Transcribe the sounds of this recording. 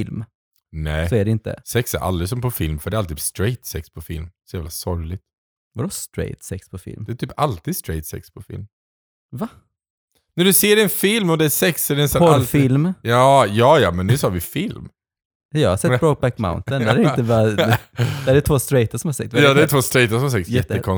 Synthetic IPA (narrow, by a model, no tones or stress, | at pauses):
fɪlm | nɛːsɔæɖɛɪnt̪ə̰sɛksæ̰ɾʔa̰ld̪ɾɪsɔmpʰɔfɪlmfœɖɛalt̪iːst̪ɾɛɪt̪sɛkspʰɔfɪ̰lmsɔjæːvlasɔɾlɪɡt̪ | ɔɾɔst̪ɾɛ̰ɪt̪sɛkspʰɔfɪ̰lmd̪æt̪ʰyːpalt̪iːd̪st̪ɾɛɪt̪sɛ̰kspʰɔfɪ̰lm | va | næɖɵseːɖɛnfɪlmɔd̪ɛæsɛksɛdɛnsɛpɔɾfɪlmjɑːjɑːjɑːmɛnːʉ̟ːsɑːɾvɪfɪlm | ɑjɑːɡhasɛt̪ɾoɡ̚bækma̰ʊnt̪ənæɾɛɾɪnt̪əva | d̪æɖɛt̪voːst̪ɾɛjt̪asɔmhaɾsɛk̚t̪jɑːd̪ɛæt̪voːst̪ɾɛjt̪aʂsɔmhasɛkt̪sjɛt̪ːəkʰɔn